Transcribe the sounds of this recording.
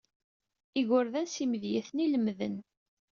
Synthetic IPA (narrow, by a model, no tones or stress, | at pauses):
iɣʊɾðæsiməðjæθniləmðə̰n